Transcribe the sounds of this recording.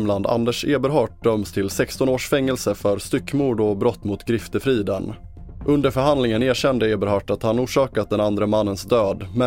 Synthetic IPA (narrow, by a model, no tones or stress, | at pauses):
mland̪a̰nd̪əʂeːbəɾɦɑːʈ̚d̪̥œmst̪ʰɪlsɛkst̪ɔnoːʂfɛŋːɛlsəfœɾst̪ʏkːmuːɖɔbɾɔt̪ːmʊt̪ɡɾɪft̪əfɾiːd̪ən | ʔɵnd̪əɾfœɾɦand̪lɪŋəneːɕɛnd̪əeːbəɾhɑʈat̪hanuːʂɑːkat̪̚d̪ɛnand̪ɾəmanːənsd̪øːd̪mɛ